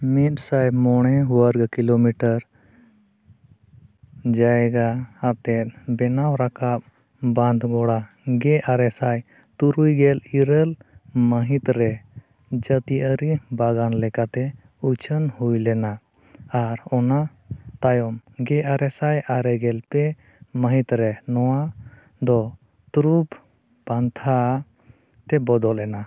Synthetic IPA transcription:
mit̪̚sajmɔɽ̃ɛɦuwaɾɡakilomiʈəɾ | d͡ʒaɛɡaat̪ɛt̪̚ˀbɛnawɾakap̚ | bãnd̪ʱɡɔɽa | ɡɛʔaɾɛsaj | t̪uɾujɡɛliɾəlməɦit̪ɾɛ | d͡ʒət̪iʔəɾibaɡanlɛkat̪ɛ | ut͡ʃʰənhujlɛna | aɾɔna | t̪ajɔmɡɛʔaɾɛsajaɾɛɡɛlpɛ | məɦit̪ɾɛnɔwa | d̪ɔ | t̪uɾub | bant̪ʰa | t̪ɛbɔd̪ɔlɛna

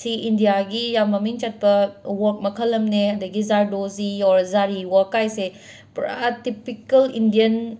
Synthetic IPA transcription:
siindijaɡijamɐmint͡ʃat̚pɐwɔɾk̚mɐkʰɐlɐmneɐdɐɡizaɾdoziɔɾzaɾiwakajse | pɾa̰tipikɐlindijɐn

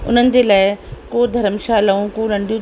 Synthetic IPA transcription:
ʊ̰n̤ənɪ̆d͡ʑeːlaːɪkoːd̪ʱɐɾəmʃaːlɐũkõːlɐ̃ɳɖijũ

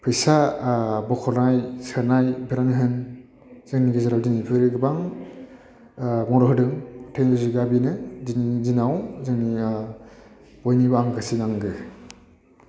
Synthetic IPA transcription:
pʰɯjsabɔkʰɔnajsɯnajbeɾanɦɯn | z̥ɯŋniɡizaɾawdinipʰɯɾiɡɯbaŋ | mɔɾɔɦɯdɯŋtʰeŋziɡabinɯdinizinawzɯŋni | b̥ɔjnibaaŋkʰasinaŋɡɯ

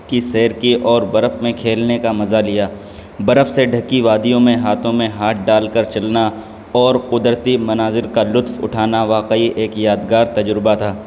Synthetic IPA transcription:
kisɛːɾkiʔɔːɾbɐɾəfmẽkʰeːlnekamɐzalɪjaː | bɐɾəfseɖʱɐkiʋaːd̪ijõmẽɦaːt̪ʰõmẽɦaːʈ̚ʰɖaːlkəɾt͡ʃɐlna | ɔːɾqʊd̪ɾət̪imɐnaːzɪɾkalʊt̪fʊ̰ʈʰaːnaʋaːqəiʔeːkjaːd̪ɡaːɾt̪ɐd͡ʒɾɪbat̪ʰaː

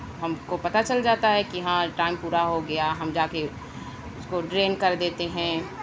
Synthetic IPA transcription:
ɦɐmkopɐt̪at͡ʃɐld͡ʒaːt̪aɦɛkiɦãʈaːɪmpuːɾaɦoɡɐjaɦɐmd͡ʒaːke | ʊskoɖɾeːnkɐɾd̪eːt̪eɦɛ̃ː

